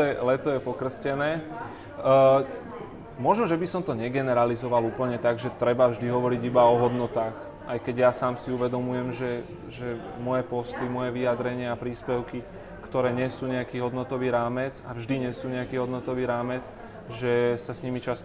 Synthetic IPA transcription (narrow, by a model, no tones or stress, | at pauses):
ɛlɛt̪ɔjɛpɔkr̩scɛnɛː | mɔʒnɔʒɛbisɔmt̪ɔɲɛɡɛnɛɾalizɔʋaluːpl̩ɲɛt̪aɡʒɛt̪ɾɛbavʒd̪iɦɔʋɔɾiɟibaɔɦɔd̪nɔt̪aːx | ajkɛɟjasaːmsiuʋɛd̪ɔmujɛmʒɛ | ʒɛ | mɔjɛpɔst̪imɔjɛʋijad̪ɾɛɲɪaapɾiːspɛʊki | kt̪ɔɾɛːɲɪɛsuːɲɛakiːɦɔd̪nɔt̪ɔʋiːɾaːmɛd͡zavʒd̪iɲɛsuːɲɛakiːɦɔd̪nɔt̪ɔʋiːɾaːmɛt͡s | ʒɛsasɲimit͡ʃast̪